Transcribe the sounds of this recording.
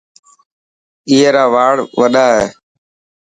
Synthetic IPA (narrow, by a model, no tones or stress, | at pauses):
iːeːɾaːʋaːɽʋəɗaːɦɛː